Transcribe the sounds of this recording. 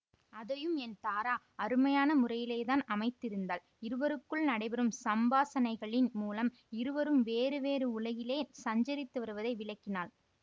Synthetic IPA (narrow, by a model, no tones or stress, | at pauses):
ɐðɐjɯmɛnt̪aːɾaː | ɐɾɯmɐjaːnɐmʊrɐjɪleːðaːnɐmɐɪt̪ːɪɾɯnd̪aːl | ɪɾɯʋɐɾɯkːɯɭnɐɽɐɪbɐɾɯmsɐmbaːsɐnɐɪɣɐɭɪnmuːlɐm | ɪɾɯʋɐɾɯmʋeːɾɯʋeːɾɯʊɭɐɣɪleːsɐɲd͡ʒɐɾɪt̪ːɯʋɐɾɯʋɐðɐɪʋɪɭɐkːɪnaːl